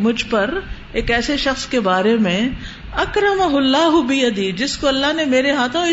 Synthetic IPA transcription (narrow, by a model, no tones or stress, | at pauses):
mʊd͡ʒʱpɐɾ | eːkɛːseʃɐxskebaːɾemẽ | ɐkɾɐmɐɦʊlːaːɦʊbijɐd̪id͡ʒɪskoɐlːaɦnemeːɾeɦaːt̪ʰõɪ